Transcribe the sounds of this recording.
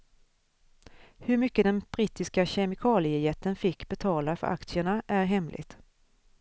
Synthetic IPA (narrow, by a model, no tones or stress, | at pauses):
hɵɾmʏkːəd̪ɛnb̥ɾiːt̪ɪskaɕɛmɪkʰɑːlɪəjɛt̪ːənfɪkːbɛt̪ʰɑːlafœ̰ɾʔa̰kt̪sɪəɳaʔæɾɦɛmlʔɪ̰ɡt̪